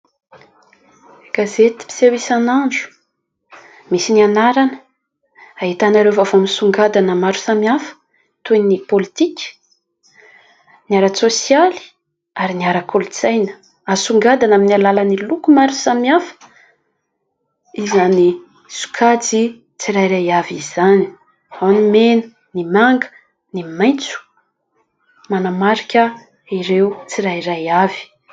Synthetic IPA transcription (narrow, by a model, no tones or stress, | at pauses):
ɡ̥azet̪i̥pi̥sewisanand͡ʒu̥ | misinianaɾanə̥ | ait̪anaɾewvavoaminsuŋɡad̪anəmaɾu̥samiafə̥ | t̪ujnipolit̪ikʲə̥ | niaɾasosjali̥ | aɾiniaɾakʰolit͡sajnə̥ | asuŋɡad̪anaminialalənilukumaɾusamiafə̥ | izani | su̥kʰat͡si | t͡siɾajɾajaviz̥ani̥ | awnimenə̥ | nimaŋɡə̥ | nimajnt͡su̥ | manamaɾikʲə | iɾewt͡siɾairajavi̥